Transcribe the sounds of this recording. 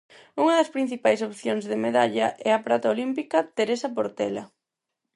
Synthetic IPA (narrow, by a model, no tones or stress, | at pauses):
uŋɐðɐspɾin̟θipajsopθjoŋzðemeðaʎɐʔɛɐpɾat̪aolimpikɐt̪eɾesɐp̬oɾt̪ɛlɐ̰